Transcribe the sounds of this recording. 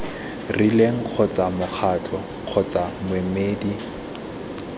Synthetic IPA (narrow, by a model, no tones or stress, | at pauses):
rileŋ̩q͡χʰɔt͡sʼamʊk͡xʰatʰɔ | q͡χʰɔt͡samʊemeːdi